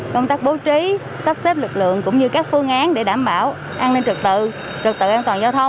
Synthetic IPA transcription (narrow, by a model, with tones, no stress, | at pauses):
kə˧wŋ͡mt̪aː˦˥k̚ɓo˨˦t͡ɕi˨˦ | sə˦˥p̚sɛ˦˥p̚lɨ˨˩k̚lɨ̰˧˨əŋkʊ̰˧˥wŋ͡mɲɨ˧kaː˦˥k̚fɨ˧əŋʔaː˨˦nɗe˧˩ɗaː˧˩mɓaː˧˩w | ʔaː˧ne˧nt͡ɕɨ˨˩t̪ɨ̰˧˨ | t͡ɕɨ˨˩k̚t̪ɨ̰˧˨ʔɛ˧nt̪waː˨˩nzaː˧wt̪ʰə˧wŋ͡m